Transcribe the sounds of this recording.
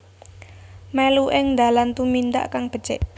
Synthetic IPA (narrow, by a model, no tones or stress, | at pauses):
mɛluʔɪŋnd̪a̤lant̪umind̪a̰ʔkaŋb̥ə̤̥t͡ʃɛ̰ʔ